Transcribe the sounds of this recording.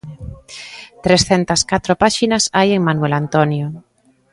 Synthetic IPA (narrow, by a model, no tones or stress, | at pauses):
t̪ɾesθent̪ɐskat̪ɾopaʃinɐsajeŋmanuelant̪onjo